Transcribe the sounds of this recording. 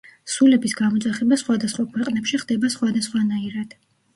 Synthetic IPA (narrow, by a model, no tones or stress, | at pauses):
sulɛbisɡamɔt̪ʼaχɛbasχwad̪asχwakʰwɛqʼnɛpʃiχd̪̥ɛbasχwad̪asχwanaiɾad̪̥